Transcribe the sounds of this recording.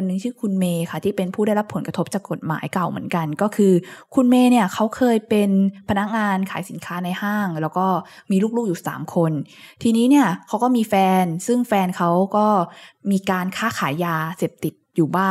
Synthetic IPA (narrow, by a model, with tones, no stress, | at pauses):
nːɯ˧ŋt͡ɕʰiː˥˩kʰu˧nmeː˧kʰa˥˩t̪ʰiː˥˩pe˧npʰuː˥˩ɾa˥˩jɾa˦˥pʰːo˩˦nka˧˦˥p̚t͡ɕaː˨˩kːo˨˩t̪̚ma̰ː˩˦jka˨˩wmɯ̰˩˦ənka˧nkɔː˥˩kʰɯː˧kʰu˧nmeː˧ni˥˩ɐkʰa˦˥wkʰɤː˧jpe˧npʰa˧na˦˥k̚ŋaː˧nkʰaː˩˦jsi˨˩˦nkʰaː˦˥na˧jhaː˥˩ŋlɛː˦˥wkɔː˥˩ | miː˧luː˥˩k̚luː˥˩k̚juː˨˩sa̰ː˩˦mkʰo˧n | t̪ʰiː˧niː˦˥ni˥˩ɐkʰa˦˥wkɔː˥˩miː˧fɛː˧nsɯ˥˩ŋfɛː˧nkʰa˦˥wkɔː˥˩miː˧kaː˧nkʰaː˥˩kʰaː˩˦jːaː˧seː˨˩p̚t̪i˨˩t̪̚juː˨˩baː˥˩